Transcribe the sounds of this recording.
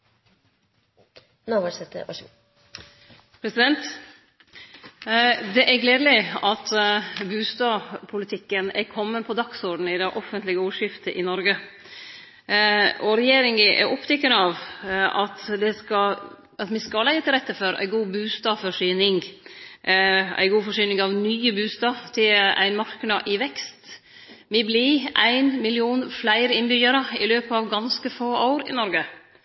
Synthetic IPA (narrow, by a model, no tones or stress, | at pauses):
noʋəʂɛt̪ːə̰ɔ̰ | pʰɾɛsɪd̪ɛnt̪ | d̪ɛʔæɾɡleːd̪əlɪɑt̪bʉːst̪ɑːpʰʊlɪt̪ʰɪkːənɛɾkʰɔmːənpʰɔd̪ɑksɔɾɖn̩ɪd̪ɛʔɔfənt̪lɪɡəuːʂɪft̪əʔɪnɔɾɡə | ɔɾɛjeːɾɪŋəʔɛ̰ɾʔɔpt̪ʰɛkːənəɑʋɑt̪d̪ɛskɑ | ɑt̪mɪskɑlæɪət̪ʰɪlɾɛt̪ːəfɔɾæ̰ɪɡuːbʉːst̪ɑːfɔʂyːnɪŋ | æ̰ɪɡuːfɔʂyːnɪŋɑʋnyːəbʉːst̪ɑːʋt̪ʰɪlæ̰ɪnmɑɾknɑʔɪʋɛkst̪ | mɪblɪʔæɪnmɪlɪuːnflæɪɾəɪnbʏjəɾəɪ̰løːpəɑʋɡɑnskəfoːʔaʊɾɪ̰nɔɾɡə